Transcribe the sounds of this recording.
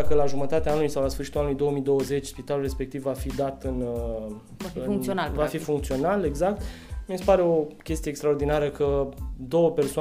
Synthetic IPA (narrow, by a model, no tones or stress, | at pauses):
akəlaʒumət̪at̪eaanulujsawlasfɨɾrʃi̥t̪ulanulujd̪o̞oəmijd̪o̞wəze̞t͡ʃʲspit̪alulre̞spe̞kt̪ivːafid̪at̪ɨn | vafiɨuŋk̪sonalvafifuŋk̚t̪sio̞nale̞ɡzak̚t̪ | miesepaɾe̞o̞kʲe̞st̪ijekst̪ɾao̞rd̪inaɾəkəd̪o̞wəpe̞rsoa